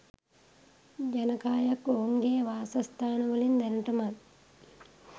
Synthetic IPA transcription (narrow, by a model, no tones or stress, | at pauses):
d͡ʒɐnɐkaːjakouŋɡeːʋaːsɐst̪ʰaːnɐʋəlind̪ɛnɐʈɐmat̪